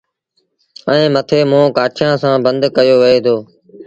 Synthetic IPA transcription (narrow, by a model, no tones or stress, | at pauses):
əẽːmət̪ʰeːmõːkaːʈʰjãːsãːbə̃nd̪kəjoːʋəɦeːt̪ʰoː